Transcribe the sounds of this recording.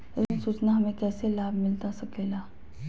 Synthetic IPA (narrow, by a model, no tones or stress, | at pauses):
eɾnsuːt͡ʃnaɦɐmẽkɛːselaːbʱmɪlt̪asɐkeːlaː